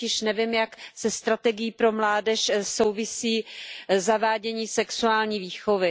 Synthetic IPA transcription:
ɪʃnɛvɪmjaksɛst̪ɾat̪ɛɡɪjiːpɾomlaːdɛʃsowvɪsiːzavaːɟɛɲiːsɛksuaːlɲiːviːxovɪ

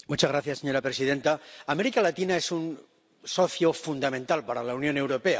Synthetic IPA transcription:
mut͡ʃazɣɾaθjaseɲo̞ɾapɾesið̞e̞nt̪aːmeɾikalat̪inae̞sun | soθjofund̪amẽnt̪alpaɾalaunjõ̞ne̞wɾope̞a

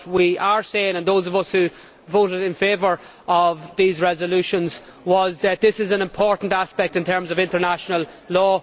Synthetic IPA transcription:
wiə˞seɪɪ̃ŋə̃nðoːzʌvʌshʉ | voɾɪɾɪ̃nfeːvə˞ | əvðiːzɹɛzəlʉʃə̃nz | wʌzðət̪̚ðɪsɪzə̃nɪ̃mpʰɔɹʔn̩taspɛk̚tɨ̃ntʰɜ̃˞mzəvɪ̃ntə˞naʃənəlˠlɔː

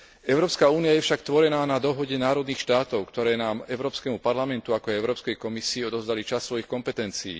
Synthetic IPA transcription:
ɛʊɾɔːpskauːnijajɛfʃakt̪ʋɔɾɛnaːnad̪ɔɦɔɟɛnaːɾɔd̪niːxʃt̪aːt̪ɔʊkt̪ɔɾɛːnaːmɛʊɾɔːpskɛmupaɾlamɛnt̪uakɔaɛʊɾɔːpskɛjkɔmisiːɔd̪ɔvzd̪alit͡ʃasːʋɔjixkɔmpɛt̪ɛnt͡siḭː

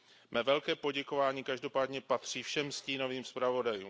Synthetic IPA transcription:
mɛvɛlkɛːpo̞ɟɛko̞vaːɲiːkaʒdo̞paːdɲɛpat̪r̝̥iːfʃɛmsciːno̞viːmspɾavo̞dajuːm

